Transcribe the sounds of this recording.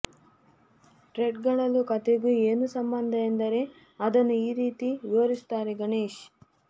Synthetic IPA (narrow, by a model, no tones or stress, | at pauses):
ʈɾeɖɡɐɭɐlːukɐt̪eɡueːnusɐmbɐnd̪ʱɐend̪ɐɾe̞ | ɐd̪ɐnːuiːɾiːt̪iʋoːɾist̪aːɾeɡɐɳeːʃ